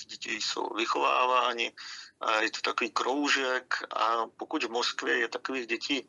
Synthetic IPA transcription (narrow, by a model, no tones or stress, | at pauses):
ɟɛcɪjso̰wvɪxova̰ːvaːɲɪjɛt̪o̥t̪akoviːkɾowʒɛkʔa̰pokuɟvmoskvjɛjɛt̪akoviːɣɟɛciː